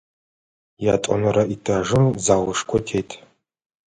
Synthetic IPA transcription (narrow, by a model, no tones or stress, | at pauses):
jatʼɔ̰nɨɾaitʰaʐɨmzaːwʊʂkʷʰɔtʰejtʼʰ